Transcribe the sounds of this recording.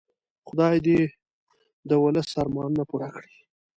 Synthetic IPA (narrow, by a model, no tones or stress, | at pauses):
χʊd̪ɑjd̪e | d̪əwʊləsːɑɾmɑnnapuɽakɽi̥